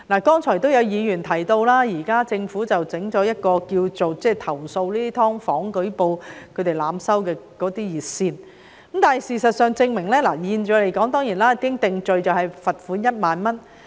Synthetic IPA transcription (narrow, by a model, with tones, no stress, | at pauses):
laː˨˩kɔː˥ŋt͡ʃʰɔː˨˩jt̪o˥wjɐ˨˧wjiː˨˧jyː˨˩nt̪ʰɐ˨˩jt̪o˧wlaː˥jiː˨˩kaː˥t͡sɪ˧ŋfuː˨˥t͡sɐ˨wt͡sɪ˨˥ŋt͡ʃɔː˨˥jɐ˥t̚kɔː˧kiː˧wt͡so˨wt͡sɛː˥˩t̪ʰɐ˨˩wso˧wliː˥t̪i˥t̪ʰɔː˥ŋfɔː˨˥ŋkɵ˨˥ɥpo˧wkʰɵ˨˧ɥt̪e˨jlaː˨˧msɐ˥wkɛː˧kɔː˨˥t̪iː˥jiː˨t̚siː˧n | kə˨˦mt̪aː˨˩nɦɐ˨˩jsiː˨˩sɐ˨t̚sœː˨˧ŋt͡sɪ˧ŋmɪ˨˩ŋlɛː˥laː˨˩jiː˧nt͡ʃœː˨˧le˨jkɔː˨˥ŋt̪ɔː˥ŋjiː˨˩nlaː˥kɪ˥ŋt̪ɪ˨ŋt͡ʃɵ˨ɥt͡sɐ˨whɐ˨jfɐ˨t̚fuː˨˥njɐ˥t̚maː˨nmɐ˥n